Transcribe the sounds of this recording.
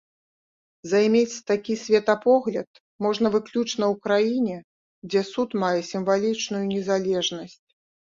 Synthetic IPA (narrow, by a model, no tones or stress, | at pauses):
zajmʲet͡sʲt̪akʲisʲvʲɛt̪ɐpɔɣlʲɐt̪̚ | mɔʐn̪ɐvɨklʲut͡ʂnɐwkɾajinʲɛ | d͡zʲɛsut̪majɛsʲimvalʲit͡ʂnujunʲɛzalʲɛʐnɐsʲt͡sʲ